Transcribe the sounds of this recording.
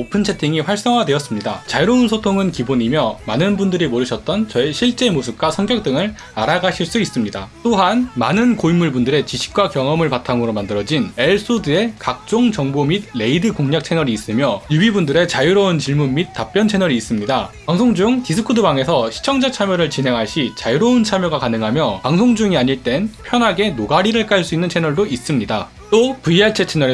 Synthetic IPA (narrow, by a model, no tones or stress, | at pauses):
opʰɯnt͡ɕʰe̞tʰiŋiɸwaɭs͈ʌŋɦwadwe̞ʌs͈ɯmɲida̰t͡ɕajuɾʌunsʰotʰoŋɯnkiboɲimjʌmanɯnbundɯɾimoɾɯɕʰʌt̚t͈ʌnt͡ɕʌeɕʰiɭt͡ɕ͈e̞mosʰɯp̚k͈wasʰʌŋkjʌk̚t͈ɯŋɯɭ | aɾaɡaɕʰiɭs͈uis͈ɯmɲidat͈oɦanmanɯnkoimːuɭbundɯɾe̞t͡ɕiɕʰi̥p̚k͈wakjʌŋʌmɯɭpatʰamɯɾomandɯɾʌd͡ʑine̞ɭs͈udɯe̞kak̚t͡ɕ͈oŋt͡ɕʌŋbomid̚le̞idɯkoŋɲak̚t͡ɕʰe̞nʌɾiːs͈ɯmjʌjubibundɯɾe̞t͡ɕajuɾʌunt͡ɕiɭmunmit̚t͈ap͈̚jʌnt͡ɕʰe̞nʌɾiːs͈ɯmɲidapaŋsʰoŋd͡ʑuŋtisʰɯkʰudɯbaŋe̞sʰʌɕʰi̥t͡ɕʰʌŋd͡ʑat͡ɕʰamjʌɾɯɭt͡ɕinɦe̞ŋɦaɭɕ͈it͡ɕajuɾʌunt͡ɕʰamjʌɡakanɯŋɦamjʌpaŋsʰoŋd͡ʑuŋiaɲiɭt͈e̞npʰjʌnɦaɡe̞noɡaɾiɾɯɭk͈aɭs̬͈uinːɯnt͡ɕʰe̞nʌɭdois͈ɯmɲida | t͈opuiaɭt͡ɕʰe̞t͡ɕʰenʌɾe